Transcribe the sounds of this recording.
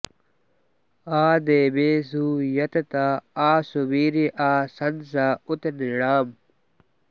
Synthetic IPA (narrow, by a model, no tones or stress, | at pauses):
aːd̪eːbeːsuːjɐt̪t̪aaːsubiːɾiʔaːsɐnsaːut̪niɽaːm